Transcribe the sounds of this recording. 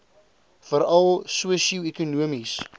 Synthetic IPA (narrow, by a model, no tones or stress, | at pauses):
fəɾɐlˠsuəsiikunuəmis